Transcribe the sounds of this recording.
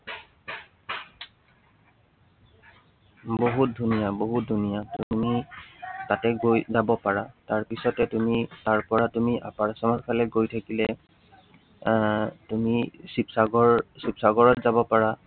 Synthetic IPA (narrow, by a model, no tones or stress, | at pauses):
boɦut̚dʱunijaboɦut̚dʱunijatumi | tatɛɡojzabɔpaɹataɹpisɔtɛtumitaɹpɔɹatumiʔapaɹsɔmɔtkʰalɛɡojtʰakilɛ | tumisipsaɡɔɹsipsaɡɔɹɔtzabɔpaɹa